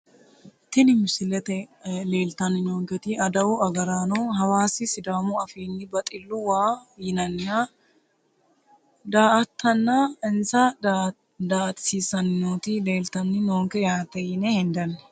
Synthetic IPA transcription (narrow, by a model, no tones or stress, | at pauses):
t̪ɪnɪmɪsɪlɛt̪ɛle̞ːlt̪ɐnːɪnoːŋkɛt̪iɐd̪ɐwʊɐɡɐɾaːnoɦɐwaːsɪsɪd̪aːmuɐfiːnːɪbɐt̪ʼɪlːuwaːjɪnɐnːɪjaː | d̪aːʔɐt̪ʰːɐnːaɪnsa | d̪aːt̪ɪ̥siːsɐnɪnoːt̪ile̞ːlt̪ɐnːɪnoːŋkɛjaːt̪ɛjɪnɛhɪnd̪ɐnː